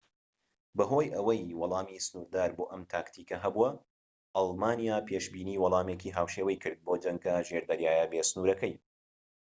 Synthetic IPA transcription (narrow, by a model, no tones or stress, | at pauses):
bɐɦoːjʔɐwɐjwɑlˠɑːmisɨnuːɾd̪aːɾboːʔɐmt̪ʰaːkt̪ʰiːkɐɦɐbuɐ | ʔɑlˠmaːnijaːpʰeːʃbiːniːwɑlˠɑːmeːkiːɦaːwʃeːwɐjkʰɨɾd̪̚boːd͡ʒɐŋɡɐʒeɾd̪ɐɾjaːjɐbesɨnuːɾɐkɐj